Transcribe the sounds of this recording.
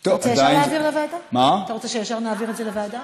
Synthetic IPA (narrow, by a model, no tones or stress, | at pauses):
t̪ovjeʃaʁjneaːviʁlevaːd̪amat̪aʁot͡seʃejefʃaʁnaaːviʁetzelevad̪a